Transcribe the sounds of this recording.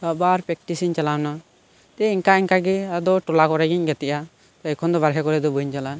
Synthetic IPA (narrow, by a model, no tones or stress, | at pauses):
babaɾpɾɛk̚ʈisiɲt͡ʃalawna | t̪ɛiŋkaiŋkaɡɛad̪ɔʈɔlakɔɾɛɡiɲɡɛt̪ɛʔa | t̪ɔɛkʰɔnd̪ɔβaɾɦɛkɔɾɛd̪ɔbəɲt͡ʃala